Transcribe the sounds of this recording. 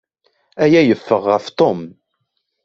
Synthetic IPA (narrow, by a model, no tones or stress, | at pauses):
æjæjəfːəʁːəft̪ˤom